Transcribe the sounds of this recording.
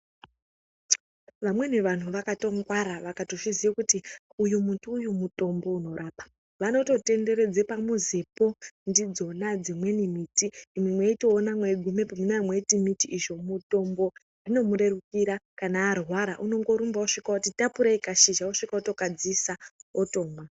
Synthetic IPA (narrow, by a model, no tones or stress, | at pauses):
ʋamwe̞neʋan̤uʋakato̞ŋɡwaɾaʋakatoʐiziakuti | ujumuntuːjumuto̞mbo̞uno̞ɾaːpḁ | ʋano̞to̞te̞nde̞ɾe̞d͡zepamuzipo̞ndid͡zo̞nad͡zimwe̞nimiːtiːmwimweito̞ːnamwe̞ɡʱume̞pomunamwe̞itimitiiʐo̞muto̞mbo̞ | ino̞muɾe̞rukiɾakanaːrwaɾaʔuno̞ŋɡo̞ɾumbauʂikautitapuɾaikaʃiʒauʂikauto̞kad͡zisaoto̞ːmwa